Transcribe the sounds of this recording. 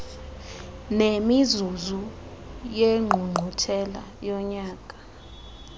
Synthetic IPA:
nemizuzu | jeŋ͡ǃʱuŋ͡ǃʱutʰɛla̰ | jɔɲaːkʼḁ

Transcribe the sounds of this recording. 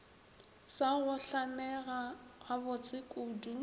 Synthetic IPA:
saɣʊɬanɛɣaɣabʊt͡sʼɪkʼudi

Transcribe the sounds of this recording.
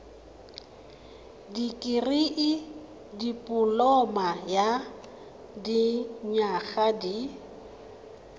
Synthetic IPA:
dikʼɪriʔɪ | dipʼʊlɔmaja | diɲaχadi

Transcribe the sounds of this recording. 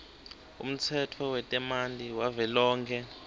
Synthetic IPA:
ṵm̩t͡sʰɛtʰɔwɛtʼɛmantʼiwavɛlɔːŋkʰɛ

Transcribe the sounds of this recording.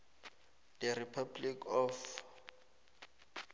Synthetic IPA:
d̥ɛripʰablikɔf

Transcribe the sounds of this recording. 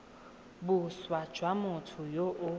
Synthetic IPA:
bʊswḁʒ̥ʱwamʊtʰʊjoʔʊ

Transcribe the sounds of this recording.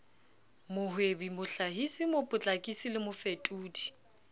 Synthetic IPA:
mʊɦwebimʊɬaɦisɪmʊpʼʊt͡ɬʼakʼisilɪmʊfetʼuːdi

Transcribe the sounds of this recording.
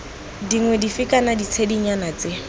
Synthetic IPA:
diŋwɛdifikʼanadit͡sʰediɲanat͡se

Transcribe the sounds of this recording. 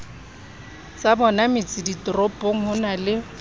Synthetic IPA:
sabɔnamɪt͡sʼɪditʼrɔpʼoŋ̩hʊnalɪ

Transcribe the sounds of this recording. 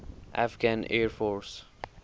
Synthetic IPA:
ʔa̰fɡãnɛːɹfɔɹs

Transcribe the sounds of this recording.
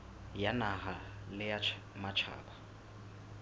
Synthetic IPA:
janaɦalɪja | mat͡ʃʰa̰ːba

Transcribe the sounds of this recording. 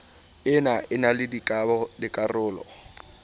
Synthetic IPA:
ɪnaʔɪnalɪdikʼabɔdɪkʼarʊːlɔ̰

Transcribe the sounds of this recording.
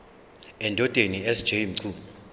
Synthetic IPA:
ɛndʱɔd̥ʼʱeniɛsd͡ʒ̥ʱejim̩ǀʰuːmʱɔ

